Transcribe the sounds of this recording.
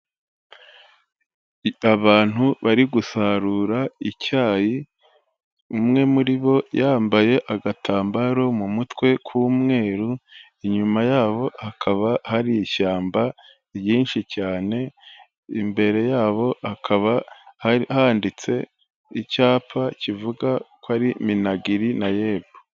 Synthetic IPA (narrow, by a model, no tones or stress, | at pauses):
aβaːn̥huβaɾiɡusaɾuːɾaicaːji | umŋe̞muɾiβo̞jaːmbaje̞ʔaɡatʰaːmbaɾo̞mumutwe̞kʰuːmŋe̞ːɾu | iɲumajaːβo̞hakʰaβahaɾijiʃaːmba | ijiːnʃicaːne̞ | ḭmbe̞ɾe̞jaːβo̞hakʰaβahaihaːndit͡se̞ | icaːpacivuɡakwaɾiminaɡiɾinaje̞ːbo